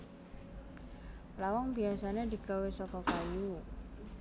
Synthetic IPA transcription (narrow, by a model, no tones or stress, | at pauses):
lawɔŋbiasaned̪i̤ɡ̥awesɔkɔkaju